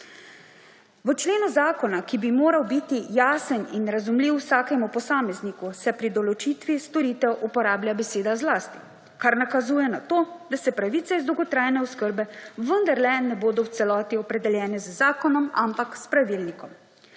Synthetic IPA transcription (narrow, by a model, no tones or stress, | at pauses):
ʋət͡ʃleːnuzaːkɔnakibimoːɾawbit̪ijaːsəninɾazumliwsaːkɛmupɔsaːmɛznikusɛpɾid̪ɔlɔt͡ʃiːt̪ʋist̪ɔɾit̪ɛwʔupɔɾaːbljabɛseːd̪azlaːst̪i̥ | kaɾnakazuːjɛnat̪oːd̪asɛpɾaʋit̪sɛizd̪owɡɔt̪ɾaːjnɛɔskəɾbɛʋənd̪aɾlɛnɛboːd̪ɔwt̪sɛlɔːt̪iɔpɾɛd̪ɛljɛːnɛzəzaːkɔnɔmampakspɾaʋilnikɔm